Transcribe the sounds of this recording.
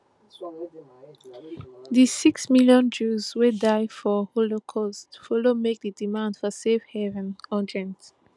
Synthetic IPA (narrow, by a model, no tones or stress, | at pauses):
ðisiksmiljɔ̃nd͡ʒuzwedaɪfɔholokʰɔstfɔlomek̚dədimãndfɔsefhɛvɛ̃nɔdɹɛ̃nt